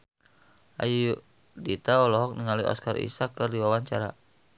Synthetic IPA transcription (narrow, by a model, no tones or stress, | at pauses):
ʔaju | dit̪aɔlɔɦɔk̚niŋaliɔ̰skarʔḭsakɨrdiwawaɲt͡ʃaɾa